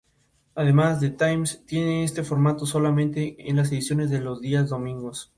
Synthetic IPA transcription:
aðe̞mazðe̞t̪ajmst̪je̞neest̪e̞foɾmat̪o̞so̞lamẽ̞nt̪e̞enlas̬e̞ðisjo̞ne̞zðe̞lo̞zðiazðo̞mĩŋɡos

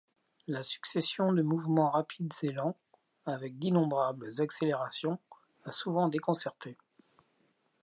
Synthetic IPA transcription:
lasy̥ksesjɔ̃d̪əmuvmɑ̃ʁapʰid̪zelɑ̃ | avɛk̚d̪inɔ̃bʁabləzakseleʁasjɔ̃ | asuvɑ̃d̪ekɔ̃sɛʁt̪ʰe

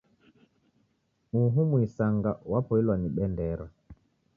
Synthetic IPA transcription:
muɦumuisaŋɡawapɔilwaniɓɛndɛɾa

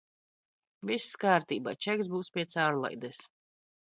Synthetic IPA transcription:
visːkaːɾt̪iːba̰ːt͡ʃɛɡzbuːspʲiɛt̪saːɾlˠa̰jd̪ɛs

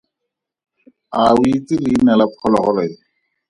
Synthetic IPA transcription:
ait͡silɪːnalapʰɔlɔχɔlɔɪ

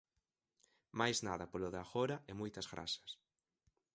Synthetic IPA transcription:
majznaðɐpoloðaxoɾɐɛmujt̪ɐzɣɾa̰sɐ̥s

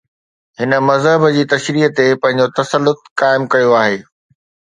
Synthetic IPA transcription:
hɪnə̆mɐzɦəbəd͡ʑiːt̪ɐʃɾiːɦt̪epɐ̃ɦɪ̃ɲ̆d͡ʑot̪ɐsəlːʊt̪̚kaːɪmkɐjoaːɦeː

